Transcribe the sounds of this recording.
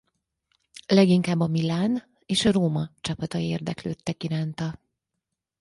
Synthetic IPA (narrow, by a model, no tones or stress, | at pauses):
lɛɡiŋkaːbːɒmilaːn | eːʃɒroːmɒt͡ʃɒpɒt̪ɒjieːrd̪ɛklø̰ːt̪ːɛkiɾaːnt̪ɒ